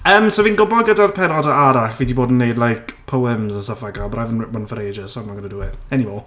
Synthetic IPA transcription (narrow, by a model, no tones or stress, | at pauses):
əːmsoviːnɡʊbɔɡədarpʰɛɾɔdəʔaɾaɬviːdiboːdn̩nːejdlˠajkpʰowɪmzəsafaɡabrajvənmənfəɾeːd͡ʒəsonmaɡənəduwɛ̥ɛnimɔː